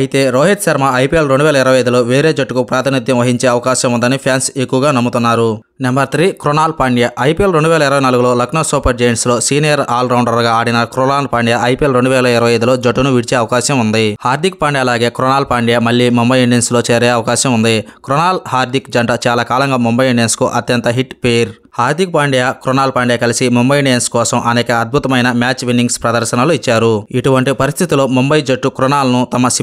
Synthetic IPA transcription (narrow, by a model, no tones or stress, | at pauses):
ɐjit̪e̞ːɾoːɦiʈʃɐɾmaɐjpijelɾeɳɖuʋɛːlɐiɾɐʋɐjɐjd̪ulo̞ːʋeːɾe̞ːd͡ʒɐʈːukupɾaːt̪ʰɐnid̪ʱjɐ̃mʋɐɦiɲt͡ʃe̞ːɐʋɐkaːʃɐmund̪ɐnipʰjaːnse̞kːuʋɐɡaːnɐmːut̪unːaːɾu | nembɐɾt̪ʰɾiːkɾonaːlpaːɳɖijaʔɐjpielɾe̞ɳɖuʋɛːlɐiɾɐʋɐjnaːluɡulo̞ːlɐknɐsuːpɐɾd͡ʒejnslo̞ːsiːnijɐɾaːlɾɐwɳɖɐɾɡaːaːɽinɐkɾonaːlpaːɳɖijaʔɐjpielɾeɳɖuʋɛːlɐiɾɐʋɐjɐjd̪ulo̞ːd͡ʒɐʈːunuʋiɽit͡ʃeːɐʋɐkaːʃɐmund̪ihaːɾd̪ʱik̚paːɳɖijaɐlaːɡe̞ːkɾɔnaːlpaːɳɖijamɐlːiːmumbɐjɳɖeːnslo̞ːt͡ʃeːɾeːɐʋɐkaːʃɐmund̪ikɾɔnaːlhaːɾd̪ikd͡ʒɐɳʈɐt͡ʃaːlaːkaːlɐŋɡaːmumbɐjnɖeːnskuʔɐt̪jɐnt̪ɐɦiʈpeɾ | haːɾd̪ik̚paːɳɖijaːkɾɔnaːlpaːɳɖijaːkɐlisimumbɐjɳɖenskɔːsɐmʔɐnɛːkɐːd̪̚bʱut̪ɐmɐjnɐmjaːt͡ʃʋinːiŋɡspɾɐd̪ɐɾʃɐnɐluit͡ʃːaːɾuiʈuʋɐɳʈipɐɾist̪ʰit̪ilo̞ːmumbɐjd͡ʒɐʈːukɾɔnaːlɐnut̪ɐmɐsi